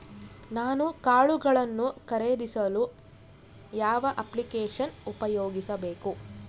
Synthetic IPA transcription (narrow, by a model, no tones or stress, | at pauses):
naːnukaːɭuɡɐɭɐnːukɐɾeːd̪isɐlu | jaːʋɐʔɐplikeːʂɐnupɐjoːɡisɐbeːku